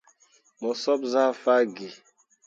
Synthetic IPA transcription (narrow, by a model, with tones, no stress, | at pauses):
mɔ˨sɔ˦p̚za˦fa˦ɡe˨